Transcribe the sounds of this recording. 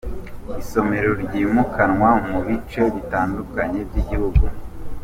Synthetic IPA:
iso̞me̞ɾoɾɟiːmukʰanŋwamuβit͡ʃe̞βitaːndukaɲe̞b̚ɟiɟihuɡu

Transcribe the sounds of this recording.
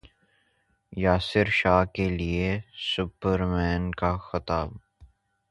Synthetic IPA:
jaːsɪɾʃaːkeliesʊpəɾmɛːnkaxɪt̪aːb̚

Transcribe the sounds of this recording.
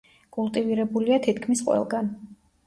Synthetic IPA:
kʼulˠt̪ʼiviɾɛbuliat̪ʰit̪ʰkʰmisqʼwɛ̰lˠɡan

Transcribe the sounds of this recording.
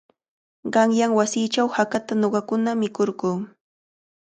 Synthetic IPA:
ɢɑŋjaŋwasiːt͡ʃawhakat̪anoɢɑkʊnamɪkoɾɢuː

